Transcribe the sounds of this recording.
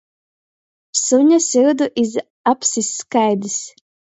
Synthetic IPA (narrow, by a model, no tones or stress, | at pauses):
suɲʲasʲiɾd̪uʔiz | apsisːkajd̪ɨs